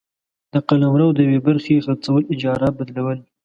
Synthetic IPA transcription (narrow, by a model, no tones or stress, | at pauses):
d̪̥əqalamɾawd̪əjwebaɾxeɣaɾt͡sawəlɪd͡ʒɑɾabad̪lawəl